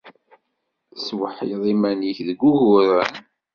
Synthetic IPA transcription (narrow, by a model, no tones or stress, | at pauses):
swəħiðˤimænjiçðəɡʷːuɣʊɾən